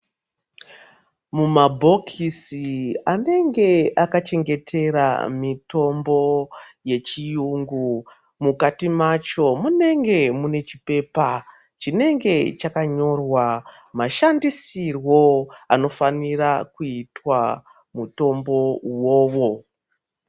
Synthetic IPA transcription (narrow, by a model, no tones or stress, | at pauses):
mumabʱo̞kʰisiane̞ŋɡe̞ʔakat͡ʃe̞ŋɡe̞tʰe̞ɾa̰mito̞mbo̞je̞t͡ʃijuŋɡu | mukatimat͡ʃo̞mune̞ŋɡe̞mune̞t͡ʃipe̞pa | t͡ʃine̞ŋɡe̞t͡ʃakaɲo̞rwa | maʃandisirwo̞ano̞fanirakuitwa | muto̞mbo̞wo̞ːʋo̞